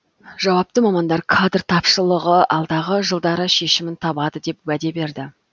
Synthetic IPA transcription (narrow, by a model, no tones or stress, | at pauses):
ʒ̥ɑwɑp̚t̪əmɑmɑnd̪ɑɾkʰad̪rt̪ʰɑpʃəlˠəʁəʔɑlˠd̪ɑʁəʒəlˠd̪ɑɾəʃe̞ʃɪmɪnt̪ʰɑbɑd̪əd̪e̞pwæd̪e̞be̞ɾd̪ɪ